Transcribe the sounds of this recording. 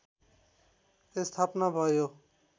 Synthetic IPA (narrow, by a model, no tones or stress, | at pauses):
t̪est̪ʰapnabʱʌjo